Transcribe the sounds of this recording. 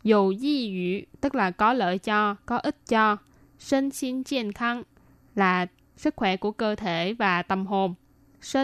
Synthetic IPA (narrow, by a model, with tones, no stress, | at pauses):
zu˨˩zi˧zḭ˧˨t̪ɨ˦˥k̚laː˨˩kɔ˨˦lə̰ː˧˨jt͡ɕɔ˧kɔ˨˦ʔi˦˥t̚t͡ɕɔ˧ | si˧nsi˧nt͡ɕi˧˩nxʰa˧ŋ | laː˨˩ | sɨ˦˥k̚xwɛ˧˩ku˧˩əkəː˧t̪ʰe˧˩vaː˨˩t̪ə˨˩mɦo˨˩n | si˧